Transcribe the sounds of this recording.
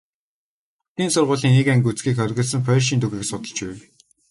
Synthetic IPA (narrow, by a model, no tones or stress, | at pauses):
ʊt̪iːnsʊrʁʊːɮiːŋikæŋɡʲut͡sɡiːkχœɾʲɣʲə̆ɮsə̆ŋpʰœːrʃ̬iːnt̪uɣiːksʊt̪ə̆ɮt͡ɕpæw